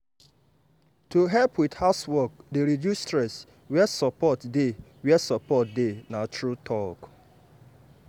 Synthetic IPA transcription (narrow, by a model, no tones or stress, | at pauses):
tuɦɛlpwidhaswɔk̚deɾidjustɹɛs | wɛsɔpɔtdewɛsɔpɔt̚denatɹutʰɔk